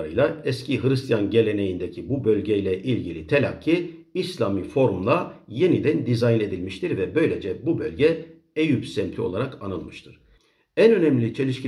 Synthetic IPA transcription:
ɾɯjlˠaɛscʰiɦɯɾɯst̪ʰjanɟe̞lʲe̞ne̞jind̪ecʰibubø̞lʲɟejlʲɛʔilʲɟilʲit̪ʰelʲa̰cʰːiː | slʲamifo̞ɾumlˠaje̞nid̪ænd̪izajne̞d̪ilʲmiʃt̪ʰiɾvɛbø̞jlʲe̞d͡ʒɛbubø̞lʲɟɛ | ejypsɛmt̪ʰio̞̰lˠaɾakʰanɯlˠmɯʃt̪ʰɯɾ̥ | ænø̞nɛmlʲit͡ʃʰe̞lʲiʃcʰi

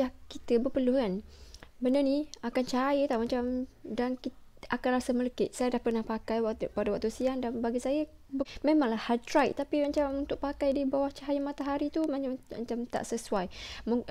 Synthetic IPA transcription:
akit̪əbəpərluhanbənarniakant͡ʃajət̪ahmat͡ʃamdankiakanrɾasamələkɪʔsajadahpərnahpakajpadawaʔ̚t̪usiandanbaɡisajə | bmẽmãŋlahhatɾajʔt̪ːapimat͡ʃamunt̪ʊʔ̚pakajdibawaht͡ʃajəmat̪aɦaɾit̪umamat͡ʃamt̪a̰ʔsəsuajmu

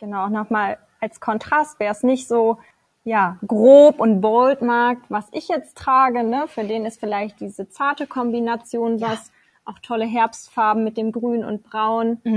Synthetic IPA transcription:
ɡ̥ənaʊʊnɔχmaːl | ʔalskʰɔntʁ̥astv̥ɛːɐɛsnɪçtz̥oː | jaːɡʁoːpʊnt̚b̥oltmaɐk̚tvasʔɪçjɛt͡stʁ̥aːɡənəfyːɐdeːnɪstfɪlaɪçt̚d̥iːzət͡saɐtəkʰɔmbinat͡sjoːndas | ʔaʊxtʰɔləɦɛɐpstfaɐbm̩mɪt̚d̥eːmɡʁyːnʊ̰nt̚b̥ʁaʊn

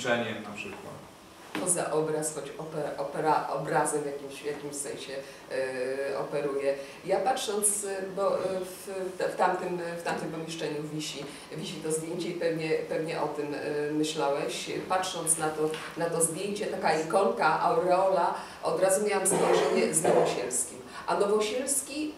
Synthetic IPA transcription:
t͡ʂɛɲɛmnapʂɘkwa̰t̪ | pɔza̰ʔɔbɾasxɔt͡ɕɔpɛɾaʔɔpɛɾaʔɔ̰bɾazɛvʲjakʲimɕvjakʲimɕsɛ̃ɲ̃ɕɛ | ɔ̰pɛɾujɛ | japatʂɔnt̪sbɔft̪ɛft̪amt̪ɘmft̪amt̪ɨmpɔmʲjɛʂt͡ʂɛɲuvʲiɕi | vʲiɕit̪ɔzd̪ʲjeɲt͡ɕɛipɛvɲɛpɛvɲɛʔɔt̪ɘmːɘɕlawɛɕpatʂɔnt̪snat̪ɔ | nat̪ɔzd̪ʲjeɲt͡ɕɛt̪akaikɔŋkaʔa̰ɾɛɔla | ʔɔ̰d̪ɾazumʲjawamzɔʐɛɲɛznɔvɔɕɛlskʲimʔanɔvɔɕɛlskʲi

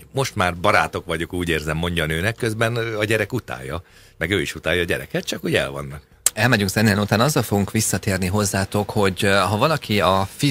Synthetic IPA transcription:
mo̞ʃt̪maːrbɒɾaːt̪o̞kʋɒɟokuːɟeːrzɛmːo̞ɲɟɒnøːnɛkːøzbɛnɒɟɛɾɛkut̪a̰ːjːɒ | mɛɡøːiʃut̪aːjɒːɟɛɾɛ̰kɛt̪̚t͡ʃɒkuɟɛ̰lvɒ̰nːɒk | ɛlmɛɟyŋksɛnːeɛnut̪aːnɒzːɒlfo̞ɡuŋkʋisːɒt̪eːrniɦo̞zːaːt̪o̞kho̞ɟɦɒvɒlɒkʰiɒfi

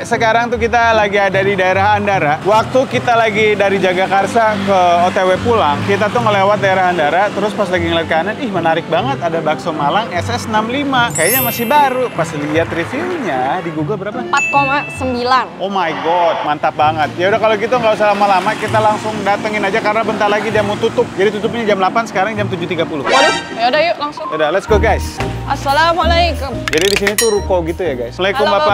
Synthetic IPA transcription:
səkaɾaŋt̪ukit̪alaɡiadadidaeɾaɦandaɾawak̚t̪ukit̪alaɡidaɾid͡ʒaɡakarsakəot̪ewepulaŋkit̪at̪ʊŋəlewat̪̚daeɾaɦandaɾat̪əɾʊspaslaɡiŋəlar̚kananɪhmənaɾɪk̚baŋət̪adabaksomalaŋɛsɛsnamlimakajaɲamasɪhbaɾupasliat̪rifiuɲadiɡuɡəlbəɾapapat̪̚komasəmbilanomajɡɔd̪̚mant̪ap̚baŋət̪̚jaudakalokit̪aŋɡaus̬əlamalamakit̪alaŋsʊŋdat̪əŋɪnad͡ʒakarənabənt̪arlaɡidiamat̪ut̪ʊp̚d͡ʒadit̪ut̪ʊpɲad͡ʒamlapansə̥kaɾaŋd͡ʒamt̪ud͡ʒʊt̪iɡapulʊljadajulaŋsʊŋodalɛt̪skoɡajsasalamalajkʊmd͡ʒadidisinit̪uɾukowɡit̪ujaɡajsməlajkɔmbapa

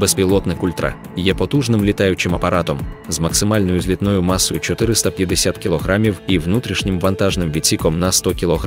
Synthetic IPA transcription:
bɛspʲilˠɔt̪nɪkulʲt̪ɾɐ̰ | jɛpɔt̪uʐnɪmlʲit̪ajʊt͡ʃɪmɐpɐɾat̪ɔmzmɐksɨmalʲnɔjʊzʲlʲit̪nɔjʊmasːɔjʊt͡ʃɔt̪ɪɾɪst̪ɐpʲjɐd̪esʲat̪kʲilˠɔɣɾamʲiwiwnut̪ɾʲiʃnʲɪmʋɐnt̪aʒnɪmʋʲit͡sʲikɔmnɐst̪ɔkʲilˠɔɦ

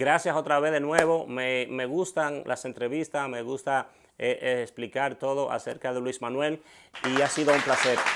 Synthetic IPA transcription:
ɡɾasjaso̞t̪ɾaβe̞ðenwe̞βo̞meme̞ɣust̪aŋlʔa̰se̞nt̪ɾe̞βist̪asme̞ɣust̪a | eʔesplikaɾt̪o̞ðo̞ʔa̰se̞̰ɾkaðelwizmãnwe̞liasiðo̞umplase̞ɾ

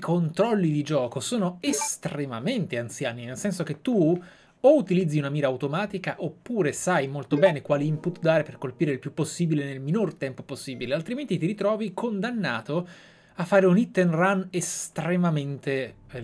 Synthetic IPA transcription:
ikʰont̪ɾɔlːid̪id͡ʒɔːkosoːnoest̪remament̪eant̪sjaːninelsɛnsok̟et̪ːu | out̪ilid̪zːiunamiːɾaːwt̪omaːt̪ikaʔopːuːɾesajmolt̪obɛːnekwaːliimput̪d̪aːɾeperkolpiːɾeilpjupːosːiːbilenelminort̪ɛmpoposːiːbilealt̪ɾiment̪it̪iɾit̪ɾɔːvikʰond̪anːa̰ːt̪o | afːaːɾeunit̪ːenranest̪ɾemament̪eɛ

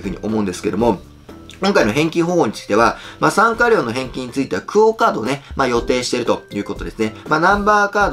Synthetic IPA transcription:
ɸɯ̟ɲ̟iʔo̞mo̞ɯ̟̃nd̪e̞sɨ̥ke̞d̪o̞mo̞ | kõ̞ŋkainoɦẽ̞ŋkʲĩɦõ̞ːɲt͡ɕi̥d̪e̞βamaːsãŋkaɾʲo̞ːno̞ɦẽ̞ŋkʲiɲ̟ːit͡sɨit̪e̞βakʰɯ̟okaːd̪o̞ːne̞maːjo̞t̪e̞ːɕi̥t̪e̞ɾɯ̟t̪o̞jɯ̟ːko̞t̪o̞d̪e̞sɨne̞maːnãmbaːkaːd̪

